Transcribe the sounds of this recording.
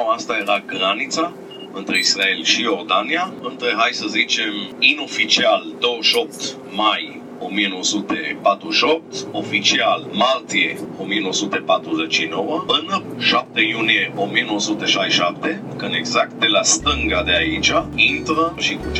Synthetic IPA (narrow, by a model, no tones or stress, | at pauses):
ast̪aje̞ɾaɡɾanit̪sa | ɨnt̪ɾeisɾae̞lʃijo̞rd̪aniaɨnt̪ɾeɦajsəzit͡ʃe̞mino̞fit͡ʃiald̪o̞wəʃo̞p̚t̪ | maj | o̞mieno̞wəsut̪e̞pat̪ɾuʃo̞p̚t̪o̞fit͡ʃialmalt̪ie̞o̞mieno̞wəsut̪epat̪ɾuzet͡ʃːino̞wəɨnəʃap̚t̪ejunije̞ʔo̞mienowəsut̪eʃajʃap̚t̪e | kɨnd̪e̞ɡzak̚t̪̚d̪e̞last̪ɨŋɡad̪eait͡ʃaint̪ɾəʃi